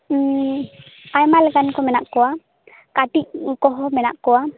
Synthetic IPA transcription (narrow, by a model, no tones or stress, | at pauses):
ajmalɛkankɔmɛnaʔkɔwa | kaʈiʔ̚kɔɦɔmɛnaʔkɔwa